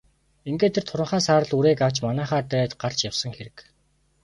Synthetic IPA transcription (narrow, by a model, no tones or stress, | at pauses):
eŋɡeːt̪ʰːĕrt̪ʰʊɾə̆ɴχaːsaːɾə̆ɮuɾeːkaw̥t͡ɕmanæːχaːt̪æːt̪ɢar̥t͡ɕjawsə̆ŋxeɾɘ̆k